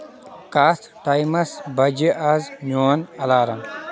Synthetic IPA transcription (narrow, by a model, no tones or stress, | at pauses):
kaːst̪ʈajmɐsbɐd͡ʒiʔaznoɐnɐlaːɾɐn